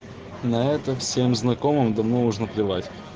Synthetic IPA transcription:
nɐɛt̪əfsʲemznɐkomɨmd̪ɐvnonuʐnəplʲɪvatʲ

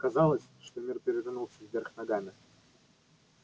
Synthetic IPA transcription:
kɐzɑlˠəsʲʂt̪omʲirpʲɪɾʲɪvʲnulˠsʲəvʲvʲerxnɐɡamʲɪ

